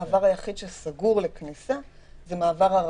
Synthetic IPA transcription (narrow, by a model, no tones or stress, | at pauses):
avaʁajaχid̪ʃelsaɡuʁleknisa | zemaːvaʁaʁ